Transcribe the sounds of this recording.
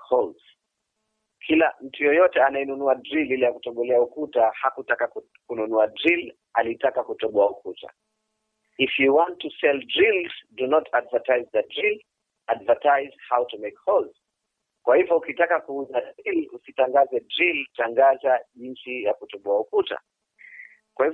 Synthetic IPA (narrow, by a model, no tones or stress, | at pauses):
hɔlz̥ | kʰilam̩tujɔjɔtɛanajɛnunuadɾililɛjakutɔɠɔlɛaukutahakutaka | kununuadɾil | alitakakutɔɓɔaukuta̰ | ifjuwãntːusɛldɾilzdunɔtʰadvatajzðədɾil | advatajz̥hawtumekhɔlz | kwahivɔukitakakuuzadɾilusitaŋɡazɛdɾiltaŋɡazaʄint͡ʃijakutɔɓɔaukuta̰ | kwahi